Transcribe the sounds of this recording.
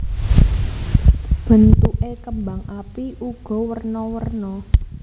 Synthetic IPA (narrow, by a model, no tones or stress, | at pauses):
b̥ə̤nt̪uʔekəmbaŋʔapiʔuɡ̥ɔ̤wərnɔwərnɔ